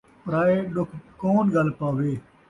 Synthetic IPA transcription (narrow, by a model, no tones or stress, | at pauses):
pɾaːeɗʊkʰkoːnɡɐlpaːʋeː